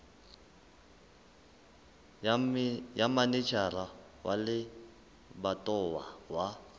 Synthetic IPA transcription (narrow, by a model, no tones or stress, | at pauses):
jamanit͡ʃʰara | wʔa̰lɪ | batʼɔwawa